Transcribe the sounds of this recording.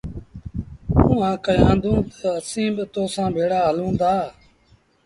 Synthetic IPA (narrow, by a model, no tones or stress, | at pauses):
ũːãːkəjãːnd̪ũːt̪ə̥əsĩːbɪt̪oːsãːbʱeːɽaːɦəlũːnd̪aː